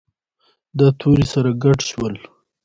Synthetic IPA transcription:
d̪ət̪ʰuɾisaɾaɡaʈʃwəl

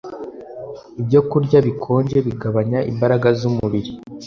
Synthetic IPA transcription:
ibɟo̞kuɾɟaβikʰo̞ːɲɟe̞βiɡaβaɲaʔḭmbaɾaɡazumuβiɾi

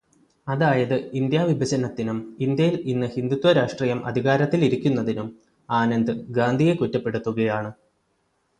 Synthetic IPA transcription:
ɐðaːjɐðɨind̪jaːʋibʱɐɕɐnɐt̪ːinumind̪jɐjilinːɨhind̪ut̪ːwɐɾaːʂʈriːjɐmʔɐ̰d̪ʱiɣaːɾɐt̪ːiliɾikʲːunːɐðinum | aːnɐnd̪ɨɡaːnd̪ʱije̞kutːɐpːe̞ɽut̪ːuɣɐjaːɳɨ

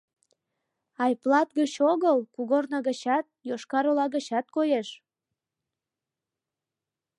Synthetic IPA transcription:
ɑjplɑt̪ɡət͡ɕoɣəlkuɣornəɣət͡ɕɑt̪̚joʃkɑɾolɑɣət͡ɕɑt̪̚kojeʃ

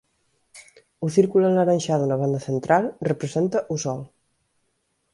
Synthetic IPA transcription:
uθiɾkulənəɾəɲʲʃaðunəβand̪əθənt̪ɾʔalˠrəpɾəzent̪əʔusɔlˠ

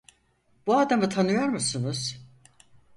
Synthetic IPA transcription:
b̥uaːd̪amɯt̪ʰanɯjoɾmusunuz̥

